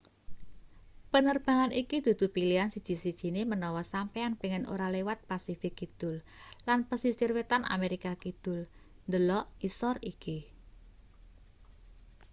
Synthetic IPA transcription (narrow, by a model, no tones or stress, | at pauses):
pənərb̥a̤ŋanikid̪̥ṳd̪̥ṳpiliansid̥ʒ̥i̤sid̥ʒ̥i̤nemənɔwɔsampeanpeŋɛno̰ɾalewat̪̚pasifɪkːid̪̥ʊ̤l | lanpəsisirwet̪anʔa̰meɾikakid̪̥ʊ̤l | nd̪əlɔʔisɔriki